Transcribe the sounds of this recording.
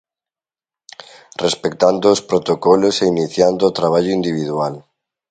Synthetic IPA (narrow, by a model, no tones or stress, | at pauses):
respekt̪and̪oːspɾot̪okɔloseiniθjand̪oːt̪ɾaβ̞aʎoind̪iβ̞iðual